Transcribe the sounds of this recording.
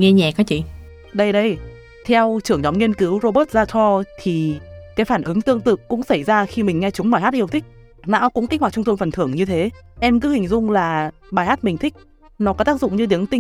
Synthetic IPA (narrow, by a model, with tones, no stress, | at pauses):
ŋɛ˧ɲɛ˨˩kɔ˨˦t͡ɕḭ˧˨ | ɗə˧jɗə˧j | t̪ʰɛ˧wt͡ɕɨ˧˩əŋɲɔ˨˦wŋ͡mŋi˧ənki˨˦wzo˧ɓəː˦˥t̚zaː˧t͡ɕɔ˧t̪ʰi˨˩kaː˨˦jfaː˧˩nʔɨ˨˦ŋt̪ɨ˧əŋt̪ɨ̰˧˨kʊ̰˧˥ŋ͡msə˧˩jzaː˧xi˧mï˨˩ŋ̟ŋɛ˧t͡ɕʊ˨˦ŋ͡mɓaː˧˩ha˦˥t̚i˧əwt̪ʰï˦˥k̟̚ | na̰ː˧˥wkʊ̰˧˥ŋ͡mt̪i̟˦˥w̚t͡ɕʊ˧ŋ͡mt̪ʰu˧nfə˨˩nt̪ʰɨ˧˩əŋɲɨ˧t̪ʰe˨˦ʔɛ˧mkɨ˨˦hï˨˩ŋ̟zʊ˧ŋ͡mlaː˨˩ | ɓaː˨˩jhaː˦˥t̚mï˨˩ŋ̟t̪ʰï˦˥k̟̚ | nɔ˨˦kɔ˨˦t̪aː˦˥k̚zʊ̰˧˨ŋ͡mɲɨ˧t̪i˨˦əŋt̪i˧ŋ